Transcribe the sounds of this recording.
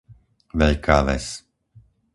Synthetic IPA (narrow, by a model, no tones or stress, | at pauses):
ʋɛʎkaːʋɛ̰s